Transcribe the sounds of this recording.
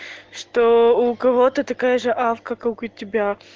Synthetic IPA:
ʂt̪oʊkɐvot̪ət̪ɐkajəʐɨʔafkɐkɐʊkʊtʲɪbʲa

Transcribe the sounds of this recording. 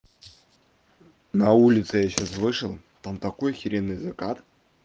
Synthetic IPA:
nɐulʲɪt̪sɨjaɕasvɨʂɨlˠ | t̪amt̪ɐko̞jxʲɪɾʲenːɨjzɐkat̪

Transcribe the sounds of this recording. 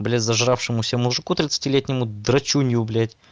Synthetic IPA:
blʲætʲzɐʐɾafʂɨmʊsʲəmʊʐɨkut̪ɾʲɪt̪sɨ̥tʲilʲet̪ʲnʲɪmʊd̪ɾɐt͡ɕunʲɪʊblʲætʲ

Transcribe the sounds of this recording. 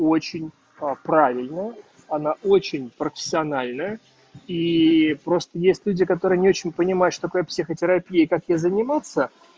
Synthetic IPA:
o̞t͡ɕɪnʲ | pɾavʲɪlʲnəjə | ɐnaʔot͡ɕɪnʲpɾəfʲɪ̥sʲɪɐnalʲnəjə | ipɾo̞st̪əjesʲtʲlʲudʲɪkɐt̪o̞ɾɨjənʲɪo̞t͡ɕɪnʲpənʲɪmajʊtʂt̪ot̪ɐkojəpsʲɪxətʲɪɾɐpʲijəikakjezənʲɪmat̪sə

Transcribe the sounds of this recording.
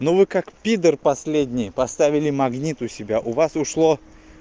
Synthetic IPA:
novɨkakpʲid̪ərpɐsʲlʲedʲnʲɪjpɐst̪avʲɪlʲɪmɐɡnʲit̪ʊsʲɪbʲaʔʊvasʊʂlˠo

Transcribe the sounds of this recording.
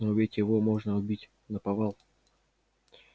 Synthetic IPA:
nəʊbʲetʲjɪvomoʐnəʊbʲitʲ | nəpɐvalˠ

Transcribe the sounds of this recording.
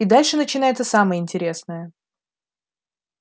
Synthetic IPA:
id̪alʲʂɨnət͡ɕɪnajɪt̪səsaməjəɪnʲtʲɪɾʲe̞snəjə

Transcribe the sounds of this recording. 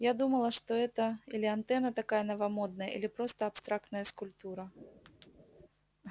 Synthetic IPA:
jad̪umɐlˠɐʂt̪ɔɛt̪ɐilʲɪant̪ɛnɐt̪akajɐnɐvɐmɔd̪nɐjə̰ʔḭlʲipɾɔst̪ɐːpst̪ɾakt̪nɐjɐskʊlʲp̚t̪uɾɐ

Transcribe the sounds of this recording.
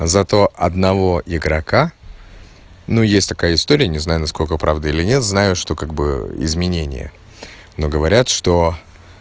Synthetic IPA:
zɐt̪o̞ʔɐd̪nɐvo̞ɪɡɾɐka | nujesʲtʲt̪ɐ̥kajəɪst̪o̞ɾʲɪjənʲɪznajʊnɐsko̞lʲkəpɾavd̪əilʲɪnʲe̞t̪znajʊʂt̪o̞kaɡ̚bɨ̰ɪ̰zmʲɪnʲenʲɪ̰jə̰ | no̞ɡəvɐɾʲat̪ʂt̪o̞

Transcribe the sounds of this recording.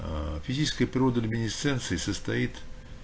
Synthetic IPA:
fʲɪzʲit͡ɕɪskəjəpɾʲɪɾod̪əɐlʲmʲɪnʲɪst̪sɛnt̪sɨɪsəst̪ɐit̪

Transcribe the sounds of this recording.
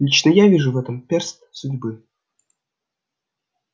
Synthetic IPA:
lʲit͡ɕnəjavʲiʐuvɛt̪əmpʲerst̪sudʲbɨ

